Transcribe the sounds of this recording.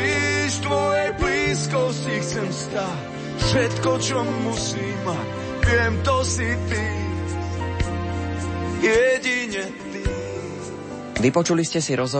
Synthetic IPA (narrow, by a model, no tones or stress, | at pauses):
iʃt̪ʋɔjɛjbliːskɔscixt͡sɛmst̪ac | fʃɛt̪kɔt͡ʃɔmːusiːma | vɪɛmt̪ɔsit̪i | jɛɟiɲɛ | t̪i | ʋipɔt͡ʃuliscɛsiɾɔzɦɔ